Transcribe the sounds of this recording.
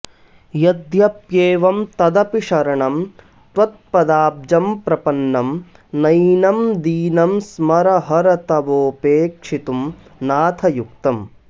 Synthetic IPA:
jɐd̪jɐpjeːʋɐmt̪ɐd̪ɐpiʂɐɾɐɳɐm | t̪ʋɐt̪̚pɐd̪aːb̚d͡ʒɐmpɾɐpɐnːɐm | nɐjnɐmd̪iːnɐmsmɐɾɐɦɐɾɐt̪ɐʋoːpeːkʂit̪um | naːt̪ʰɐjukt̪ɐm

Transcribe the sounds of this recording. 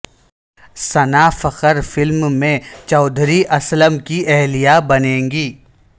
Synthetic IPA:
sɐnaːfɐqəɾfɪlmmẽt͡ʃɔːd̪ʱɾiʔɐsləmkiʔɛɦlijabɐnẽːŋɡiː

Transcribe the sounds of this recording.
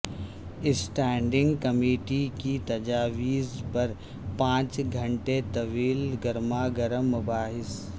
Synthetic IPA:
ɪsʈɛːɳɖɪ̃ŋɡkɐmeːʈikit̪ɐd͡ʒaːʋiːzpɐɾ | pãːt͡ʃɡʱɐ̃ɳʈet̪ɐʋiːlɡɐɾmaːɡɐɾəmːʊbaːɦɪs

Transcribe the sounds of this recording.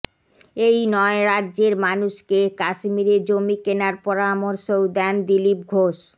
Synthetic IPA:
ejnɔeɾad̪ːʑeɾmanuʃkekaʃmiɾed͡ʑomikenaɾpɔɾamoɾʃowd̪ɛnd̪ilip̚ɡʱoʃ

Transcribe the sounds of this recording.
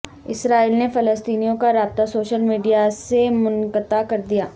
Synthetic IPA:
ɪsɾaːiːlnefɐləst̪iːnijõkaɾaːb̚t̪asoːʃəlmiːɖijasemʊnkət̪akɐɾd̪ijaː

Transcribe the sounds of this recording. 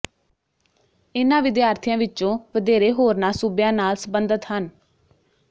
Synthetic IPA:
ɪnãːʋɪd̪jaːɾt̪ʰijãːʋɪt͡ʃõːʋəd̪eːɾeːɦoːɾnaːsʊbjãːnaːlsəbənd̪ət̪ɦən

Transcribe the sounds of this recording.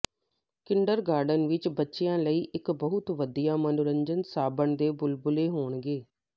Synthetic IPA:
kɪɳɖəɾɡaːɾɖənʋɪt͡ʃbətːʃejãːləiːʔɪkbəɦʊt̪ʋəd̪ijaːmənʊɾəɲd͡ʒənsaːbəɳd̪eːbʊlbʊleːɦoːɳɡeː

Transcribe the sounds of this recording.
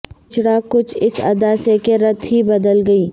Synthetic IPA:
t͡ʃɽakʊt͡ʃʰɪsɐ̰d̪aːsekeɾɐt̪ɦibɐd̪əlɡɐiː

